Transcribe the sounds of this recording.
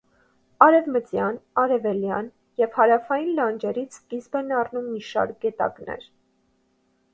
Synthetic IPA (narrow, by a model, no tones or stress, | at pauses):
ɑɾɛvmət͡sjɑnɑɾɛvɛljɑn | jɛvhɑɾɑfɑjinlɑnd͡ʒɛɾit͡sʰkizbɛnɑrnumːiʃɑ̰ɾk̚ɡɛt̪ɑ̰knɛ̰ɾ